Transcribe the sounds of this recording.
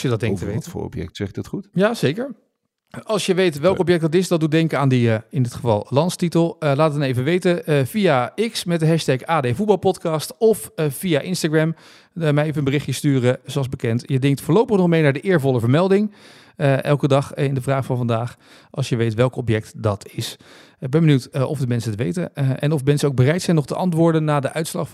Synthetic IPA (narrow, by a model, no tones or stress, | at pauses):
sjədɑd̚ɛŋktəʋḛjtfːɔ̰pjɛ̰k̚tsɛχɪdɑtχutjaːz̥ejkəɹ | ɑlˠsjəʋejtʋɛlˠkɔp̬jɛk̚dɑtɪsdɑt̚dudɛŋkəaːndəəɪndɪtχəvɑ̰lˠlɑntstitəlˠlaːtɑnejvəʋejtəv̥ijaɪksmɛt̚dəɦɛʃtɛkaːdejvut̚bɑlˠpɔtkɑːstɔfːijaʔɪnstaɡɹɛm | mɛjejvəənbərɪχjəstyːrəzoɑlˠzbəkɛntjədɪŋktfʊːɹlowpəχnɔχmejnaːdəʔɪːɹvɔləvəɹmɛlˠdɪŋ | əʔɛ̰lˠkədɑχɪndəvraːχfɑnvɑndaːχ | ʔɑ̰lˠsjəʋejtʋɛlˠkɔpjɛk̚tdɑtʰɪs | bɛnbənywtɔ̰vdəmɛnsəntəʋḛjtə̰ʔɛ̰nɔfmɛnsənowɡbərɛjtsɛjnɔχtəʔɑntʋʊːɹdənːaːdəʔœɥtslɑχ